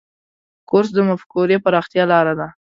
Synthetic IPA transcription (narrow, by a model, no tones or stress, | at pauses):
kʊɾs̬d̪əmafkuɾepəɾɑxt̪jɑlɑɾad̪a